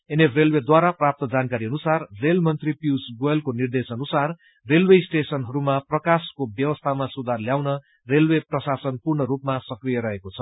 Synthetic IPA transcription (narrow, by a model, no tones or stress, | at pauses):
eneprelwed̪waɾaprap̚t̪ʌd͡zankaɾiʌnusarrelmʌnt̪ripiwsɡoʌlkonird̪esʌnusar | relwesʈesʌnɦʌɾumaprʌkaskobjʌwʌst̪ʰamasud̪ʱarljawnʌ | relweprʌsasʌnpurɳʌɾupmasʌkrijʌɾʌɦekot͡sʰʌ̥